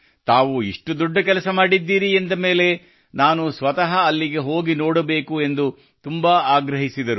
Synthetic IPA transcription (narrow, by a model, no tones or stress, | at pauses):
t̪aːʋuiʂʈud̪ɔɖːɐkɛlɐsɐmaːɽid̪ːiːɾiend̪ɐme̞ːle̞ | naːnusʋɐt̪ɐɦɐːlːiɡe̞ɦoːɡinoːɽɐbe̞ːkue̞nd̪u | t̪umbɐaːɡɾɐɦisid̪ɐɾu